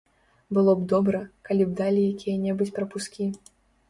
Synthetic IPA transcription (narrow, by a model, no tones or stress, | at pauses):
bɨlˠɔbd̪ɔbɾɐkalʲib̚d̪alʲijakʲijɐnʲɛbɨt͡sʲpɾɐpuskʲi